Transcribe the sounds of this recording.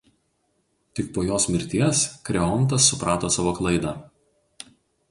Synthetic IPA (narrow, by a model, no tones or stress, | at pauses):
t̪ʲɪk̚poːjoːsmʲɪɾʲt̪ʲiɛskɾʲɛɔnˑt̪ɐsːʊpɾɑːt̪oːsɑːʋoːklˠɐɪd̪ɑː